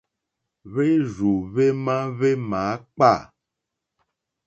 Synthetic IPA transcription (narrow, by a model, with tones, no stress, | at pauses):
βe˦zu˨βe˦mã˦βe˦mã˨˦k͡pa˦˨